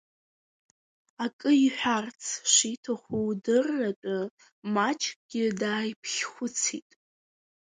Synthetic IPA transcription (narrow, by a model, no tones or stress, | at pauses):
akʼɨiħʷᶣart͡sʰʂitʰaχʷuwdɨrːat͡pʼa | mat͡ʃʰkɡ̥ʲɪdaːjpʰχʲχʷʊt͡sʰitʼ